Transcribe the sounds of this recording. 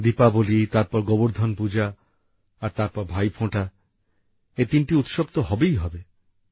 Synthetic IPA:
d̪ipabolit̪aɾpɔɾɡɔboɾd̪ʱɔnpud͡ʑa | aɾt̪aɾpɔɾbʱajpʰõʈa | et̪inʈiut̪ʃobt̪oɦɔbejɦɔbe

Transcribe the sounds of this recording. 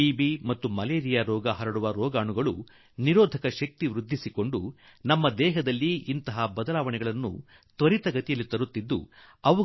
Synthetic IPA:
iːbimɐt̪ːumɐleːɾijaːɾɔːɡɐɦɐɾɐɽuʋɐɾɔːɡaːɳuɡɐɭu | niɾoːd̪ʱɐkɐʃɐk̚t̪iʋɾud̪ʱːisiko̞ɳɖu | nɐmːɐd̪ɛːɦɐd̪ɐlːiːnt̪ɐɦɐbɐd̪ɐlaːʋɐɳɛɡɐɭɐnːṵ | t̪ʋɐɾit̪ɐɡɐt̪ijɐlːit̪ɐɾut̪ːid̪ːṵ | ɐʋɐ

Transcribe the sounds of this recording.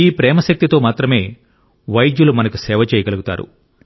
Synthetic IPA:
iːpɾɛːmɐʃɐk̚t̪it̪o̞ːmaːt̪ɾɐme̞ː | ʋɐjd̪julumɐnɐkusɛːʋɐt͡ʃɛːjɐɡɐluɡut̪a̰ːɾṵ

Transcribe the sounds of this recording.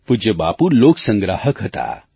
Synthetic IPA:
pud͡ʒəba̰ːpuloksə̃ŋɡɾahəkɦət̪a̰

